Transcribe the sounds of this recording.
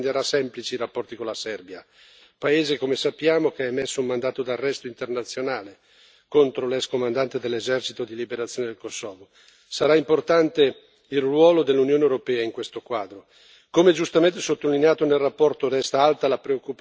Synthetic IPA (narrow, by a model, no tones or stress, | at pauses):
nd̪eɾasɛmplit͡ʃiiɾapːɔrt̪ikonlasɛrbja | paeːzekomesapːjaːmokeamesːoummand̪aːt̪od̪arːɛst̪oint̪ernat̪sːjonaːle | kont̪ɾolɛskomand̪ant̪ed̪elːezɛrt͡ʃit̪od̪ilibeɾat̪sːjoːned̪elkosːɔːvo | saɾaimport̪ant̪e | ilrwɔːlod̪elːunjoːnewɾopɛːaiŋkwest̪okwaːd̪ɾo | komɛd͡ʒust̪ament̪esot̪ːolineaːt̪onelrapːɔrt̪oɾɛst̪aalt̪alapɾeokːup